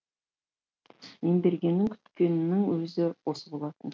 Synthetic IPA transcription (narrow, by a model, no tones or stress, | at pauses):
end̪eɾɡʲe̞nːɪŋkʲʰʏ̥t̪kʲennːɪŋwɵzɪwo̞səbolˠɑt̪ən